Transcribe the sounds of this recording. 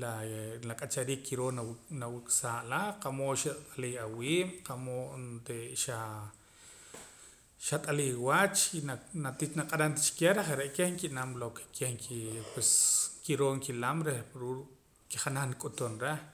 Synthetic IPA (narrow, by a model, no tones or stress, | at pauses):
lalakʼat͡ʃaɾiːkːiɾoːnnawikʼsaːʔlaqamoʔʃat̪ʼaliawiːmqamoʔ̪t̪eʃa | ʃat̪ʼaliwat͡ʃinanat̪it͡ʃnaqʼaɾant̪at͡ʃi̥keɾeχeɾeʔkehŋkiʔnamlokkʰehŋkipweskiɾoːŋkilamɾehɾu | kiχanaχnikʼut̪unɾeh